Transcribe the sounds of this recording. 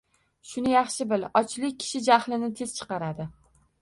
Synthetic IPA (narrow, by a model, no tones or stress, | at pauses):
ʃʊnɪjɑχʃɪbɪlɒt͡ʃlɪk̚ʲʰːɪ̥ʃɪd͡ʒahlɪnɪt̪ʰe̞z̥t͡ʃʰɨ̥qɑɾad̪ɪ